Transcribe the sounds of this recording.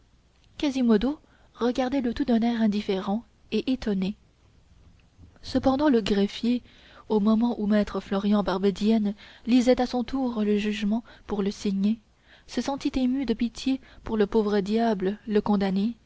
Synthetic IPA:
kazimɔd̪o | ʁəɡaʁd̪ɛlət̪ud̪ɛ̃nɛʁɛ̃d̪ifeʁɑ̃ | eʔet̪ɔne | səpɑ̃d̪ɑ̃ləɡʁɛfje | omɔmɑ̃ʔumɛt̪χəflɔʁjɑ̃baʁbed̪jɛnlizɛt̪asɔ̃t̪uːʁləʒyʒmɑ̃puʁləsiɲe | səsɑ̃t̪it̪emyd̪əpit̪ʰjepuʁləpovʁəd̪jablələkɔ̃d̪ane

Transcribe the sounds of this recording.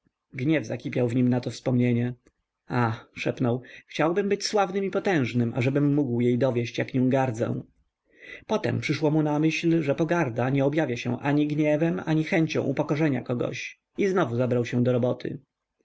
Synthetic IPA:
ɡɲɛvzakʲipʲjawvɲimnat̪ɔfspɔmɲeɲɛ | axʂɛpnɔwxt͡ɕawbɘmbɘt͡ɕswavnɘmipɔt̪ɛ̃w̃ʐnɘma̰ʐɛbɘmːuɡwjejd̪ɔvʲjeɕt͡ɕjakɲɔ̃w̃ɡaɾd̪zɛ̰w̃ | pɔt̪ɛ̰mpʂɘʂwɔmunamɘɕlʐɛpɔɡaɾd̪aɲɛɔbjavʲjaɕɛ̰̃ʔaɲiɡɲɛvɛmaɲixɛɲt͡ɕɔ̰̃w̃ʔṵpɔkɔʐɛɲa̰kɔɡɔ̰ɕ | iznɔvuzabɾawɕɛ̃d̪ɔɾɔbɔt̪ʰɘ̰

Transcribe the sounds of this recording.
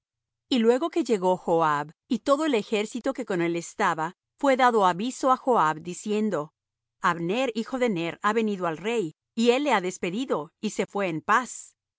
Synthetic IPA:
ilwe̞ɣo̞ke̞ʝe̞ɣo̞xoaβit̪o̞ðoele̞xe̞ɾsit̪o̞ke̞ko̞ne̞le̞st̪aβa | fwe̞ðaðo̞aβiso̞axoaβd̪isje̞nd̪o̞ | aβneɾixo̞ðe̞ne̞ɾaβe̞niðoalre̞j | ie̞lːeaðespe̞ðiðo̞ise̞fwe̞ːmpas

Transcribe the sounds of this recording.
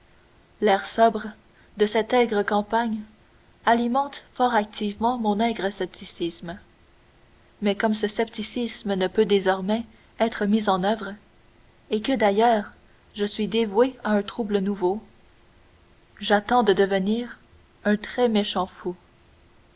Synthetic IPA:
lɛːʁsɔbʁə | d̪əsɛt̪ɛɡʁəkɑ̃paɲ | alimɑ̃t̪fɔːʁak̚t̪ʰivmɑ̃mɔ̃nɛɡʁəsɛp̚t̪ʰisism | mɛkɔmsəsɛp̚t̪isismənəpød̪ezɔʁmɛ | ɛt̪χəmizɑ̃nœvʁ | ekəd̪ajœːʁ | ʒəsɥid̪evweaɛ̃t̪χublənuvo | ʒat̪ɑ̃d̪əd̪əvəniːʁ | œ̃t̪χɛmeʃɑ̃fu

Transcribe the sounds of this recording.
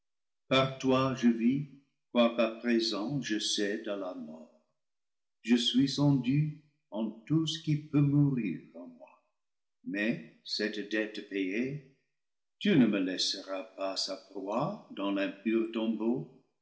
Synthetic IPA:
paʁtwaʒəvi | kwakapχezɑ̃ʒəsɛdə̃lamɔːʁ | ʒəsɥisɑ̃dy | ɑ̃tusə̥kipømuʁiːʁɑ̃mwa | mɛsɛtdɛtpeje | tynəməlɛsəʁapasapʁwad̪ɑ̃lɛ̃pyʁtɔ̃bo

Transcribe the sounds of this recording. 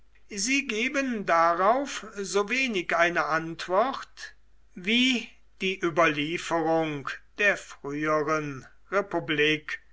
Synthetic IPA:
ziːɡeːbəndaʁaʊfzoveːnɪkʔaɪnəʔantv̥ɔʁt | viː | d̥iːʔyːbɐliːfəʁʊŋd̥eːɐfʁ̥yːəʁən | ʁepubliːk

